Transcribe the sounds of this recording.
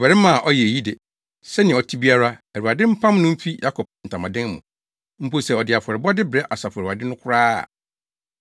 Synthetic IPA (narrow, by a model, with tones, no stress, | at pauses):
bɛ˨ɾɪ˦mã˨ʔɔ˦jɛ˨e˨ji˦de˨ | sɛ˦nɪ̃˨ɔ˨tʰi˦bi˦a˦ɾa˦ɛ˨ɾu˨a˨dɪ̃˦m̩˦pʰã˦m˦nʊ̃˦m̩˦fi˦ja˦kʰɔ˨p̚n̩˨tʰã˨mã˨dɪ̃˦ŋmʊ̰̃˨ | m̩˦po˦sɛ˨ɔ˨dɪ˨a˨fɔ˨ɾɪ˨bɔ˦dɪ˦bɪ˨ɾɛ˦ʔa˨sa˨fa˨dɪ̃˦nʊ̃˦kʰʊ˦ɾa̰ː˦˨